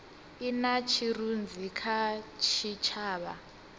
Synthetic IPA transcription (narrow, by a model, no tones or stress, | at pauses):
inat͡ʃʰirund͡zikʰat͡ʃʰit͡ʃʰaːβa